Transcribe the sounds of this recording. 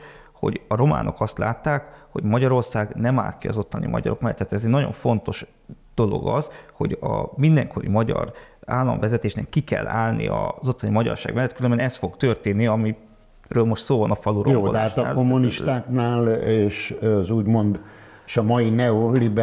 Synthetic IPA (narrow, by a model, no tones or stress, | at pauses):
ho̞̰ɟɒɾo̞ma̰ːno̞kɒst̪laːt̪ːaːkho̞ɟmɒɟɒɾo̞rsaːɡnɛma̰ːlkiɒzo̞t̪ːɒnḭmɒ̰ɟɒ̰ɾo̞kmɛlːɛ̰t̪ːaːt̪ɛzɛɟnɒɟo̞̰ɱfo̞nt̪oʃ | d̪̥o̞lo̞̰ɡɒzho̞̰ɟɒmind̪ɛŋkʰo̞ɾḭmɒɟɒ̰raːlːɒ̰ɱvɛzɛt̪eːʃnɛkːikɛ̰lːa̰ːlnḭɒzo̞t̪ːɒnimɒɟɒ̰rʃaːɡmɛlːɛt̪kylømbɛnɛst̪fo̞ɡt̪ørt̪eːnːiɒmi | røːlmo̞ʃt̪soːvɒnɒfɒluɾʔojobːolɛaaʃɔaːlkomːuniʃt̪aːknaːleːʃzuːɟmo̞nd̪ | eʃɒmɒjinɛolib